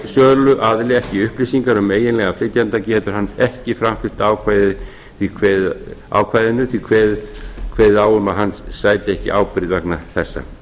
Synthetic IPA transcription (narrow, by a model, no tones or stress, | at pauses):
sœːðlʏʔaðlɪɛhcɪʏhplisiŋkaɾʏmeːjɪnlɛɣaflɪt̪jant̪acɛːt̪ʏɾ̥hanːɛhcɪfɾamfɪl̥t̪aːwkʰvajðɪ | θvikʰvɛða̰wkʰvajðɪnːʏθikʰvɛːðkʰvɛːðaːwʏmaðɦanːsaːjt̪ɪɛhcɪ̰ʔaːwpɾɪðvɛknaθɛsːa̰